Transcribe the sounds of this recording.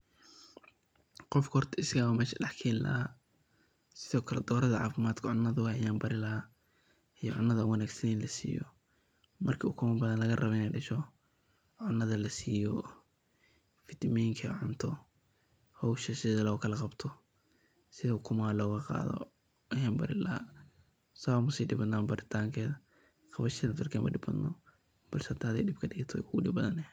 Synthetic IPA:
qɔfkʰhrt̪ʰɐɪsɡaːwɐmɛːʃɐɖɑħkʰɛːnlɐ̰ha | sɪðɔːkʰɐlɛ̰d̪ɔːɾɐðɐʕɑ̰ːfɪmaːd̪kʰɐʕʊnːɐðʊhɐjaːmbɐɾɪlɐɦa | ijɔʕʊnːɐðɐwɑnaːɡsɐnɪnlɐsḭːjɔ̰ | mɐrkʰiʊkʰʊmɐbɐðɐnlɐɣɐrɐβɛnɛjɖɐʃɔ | ʕʊnːɐðɐlɐsiːjɔ | fɪt̪ʰɐmɛjŋkʰɐʕʊnt̪ʰɔ | hɔwʃɐsɪðɐlɔːkʰɐlɐqɑbt̪ʰɔ | sɪðɐʊkʰʊmaːlɔːɣɐqɑ̰ːðɔ̰ | ɛɦɛːmbɐɾɪlɐ | samʊsɛjɖɪbɐd̪naːmbɐɾɪt̪ʰaːŋkʰɛːðɐ | qɑβɐʃɐnɐt̪ɐrkʰɛːmɐ̰ɖɪbɐ̰d̪nɔ̰ | b̥ɐlsɛhɐt̪ʰːhɐd̪ɛ̰jɖɪbkʰɐɖɪɣɐt̪ʰɔɛ̰jkʰʊɣʊɖɪbɐðɐnɛ

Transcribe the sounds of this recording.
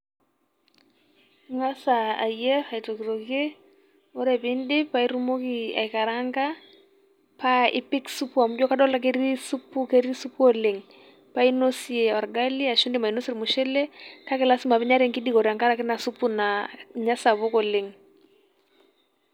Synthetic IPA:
ŋasaːjɛaitokiɾokje | ɔɾɛpɪndɪpaiɾumokia̰jkaɾaŋɡa | paɪ̰pɪksupuamud͡ʒɔkadɔlak̬eɾisupukeɾisupuɔlɪŋ | painosiɛɔɾɡaliaʃʊndɪmainosiɾmuʃɛlɛkakɛlasɪmapɪɲaɾɛŋkɪdikɔɾiaŋkaɾakɪnasupunaɲasaβokɔlɪŋ

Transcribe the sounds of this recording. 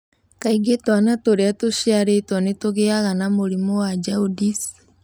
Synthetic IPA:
kaiɡetwanatoɾeatoʃiaɾetwanetoɣeaɣanamoɾimɔwad͡ʒaudis

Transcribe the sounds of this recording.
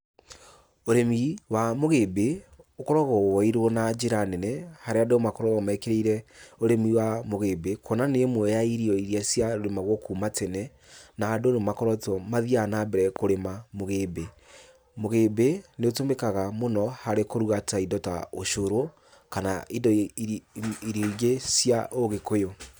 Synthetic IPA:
oɾemiwamoɣebeokɔɾɔɣɔwɔiɾwɔnad͡ʒeɾanɛnɛhaɾeadomakɔɾɔɣɔmɛkeɾeiɾɛoɾemiwamoɣebekʰɔnanemwɛjaiɾiɔiɾiasjaɾoɾemaɣwɔkuːmatenɛ | naːdonemakɔɾɔtɔmaðianabɛɾɛkoɾemamoɣebe | moɣebeneotomekaɣamonɔhaɾekoɾuɣataidɔta̰oʃoɾo | kanaidɔ | iɾiiɣesjaʔoɣekojo

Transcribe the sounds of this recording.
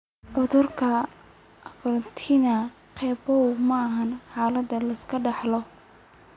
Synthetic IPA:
ʕʊðʊrkʰɐ | kʰɔɾɔnt̪ʰinɐ | qʰɛːbɔwmɐːɦɐnħɑːlɐd̪ɐlɐskʰɐɖɑħlɔ

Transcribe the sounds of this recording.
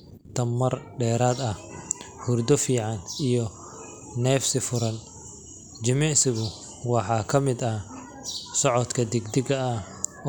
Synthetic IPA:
t̪ʰɐmːɐrɖɛːɾaːd̪ɐhhʊrd̪ɔfiːʕɑnijɔ | nɛːfsɪfʊɾɐn | d͡ʒɪmɛsɪɣʊ | wɑħɑːkʰɐmɪd̪ɐ | sɔʕɔt̪kʰɐd̪ɛɡd̪ɪɡɐː

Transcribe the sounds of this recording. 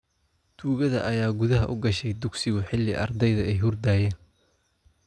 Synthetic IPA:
d̪̥uːɣɐðɐ̰ʔɐjaːɡʊðɐɦɐʔʊɡɐʃɛjd̪ʊɡsɪɣʊħɪlːɪʔɐ̰rd̪ɛjðɐɛjɦʊrd̪aːjɛːn

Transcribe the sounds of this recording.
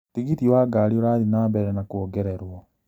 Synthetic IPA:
tiɡitiwaɡaɾioɾaðinaːmbɛɾɛnakuɔɡɛɾɛɾwɔ

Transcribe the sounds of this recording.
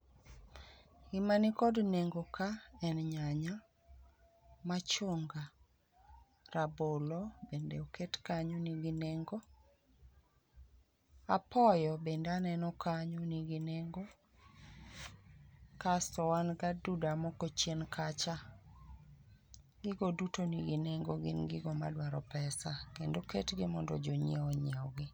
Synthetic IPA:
imanikɔdneŋɡokaɛnɲaɲa | mat͡ʃoŋɡa | rabolɔbendeoketkaɲoniɡineŋɡo | apɔjɔbendeanɛnɔkʰaɲoniɡineŋɡo | kasɔwanɡadudamɔkot͡ʃjenkʰat͡ʃa | ɡɪɡodutoniɡineŋɡoɡɪ̰nɡɪɡɔma̰dwaɾɔpɛsakendoketɡɪmɔ̰ndɔ̰d͡ʒoɲeɔɲeɔɡɪ

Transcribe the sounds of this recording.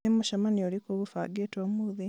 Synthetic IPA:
imuʃamanioɾikoβufa̰ːɡetomuði

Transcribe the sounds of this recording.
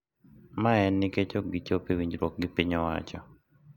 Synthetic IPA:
maɛnːɪket͡ʃoɡɪt͡ʃopewiɲd͡ʒɾwɔk̚ɡɪpiɲɔwa̰t͡ʃɔ̰

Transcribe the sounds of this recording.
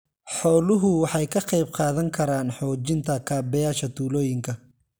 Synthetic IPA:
ħɔːlʊɦʊwɑħɑjkʰɐqɑjbqɑːðɐŋkʰɐɾaːnħɔːt͡ʃɪnt̪ʰɐkʰaːbɐjaːʃɐt̪ʰuːlɔːjɪŋkʰɐ

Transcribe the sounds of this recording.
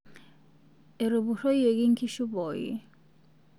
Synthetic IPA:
eɾobuɾojeɡiŋkʰiʃubɔj

